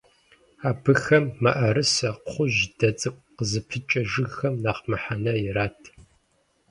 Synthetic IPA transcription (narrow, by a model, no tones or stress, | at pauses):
aːbɨxɐmːɐʔɐɾɨsɐqχʷʊʒd̥ɐt͡sʼɨkʷʼqəzɨpʰɨt͡ʃʼɐʒɨɣxɐmnaːqmɨħanɐjɪraːtʰ